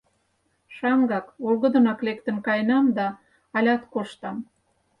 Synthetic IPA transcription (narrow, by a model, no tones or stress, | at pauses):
ʃɑŋɡɑkolɣə̆d̪ə̆nɑklek̚t̪ə̆nkɑjnɑmd̪ɑ | ɑlʲɑt̪koʃt̪ɑm